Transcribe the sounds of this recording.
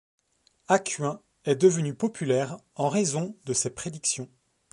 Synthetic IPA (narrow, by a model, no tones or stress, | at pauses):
akʲɥɛ̃ | ɛd̪əvənypɔpʰylɛʁ | ɑ̃ʁezɔ̃d̪əsepχed̪iksjɔ̃